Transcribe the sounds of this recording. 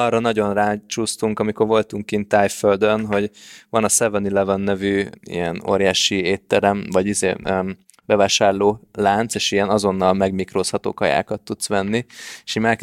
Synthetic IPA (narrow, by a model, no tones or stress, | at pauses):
ɒrːɒnɒɟo̞nraːt͡ʃuːst̪uŋkɒmiko̞rvo̞lt̪uŋkint̪aːjføld̪ønɦo̞ɟvɒnɒsɛvɛnilɛvɒnːɛvyːḭjɛno̰ːɾjaːʃieːt̪ːɛɾɛmvɒɟizḛː | bɛvaːʃaːrloːlaːnt̪seːʃijɛnɒzo̞nːɒlmɛɡmikroːshɒt̪o̰ːkɒja̰ːkɒt̪ːut̪sʋɛnːieʃimak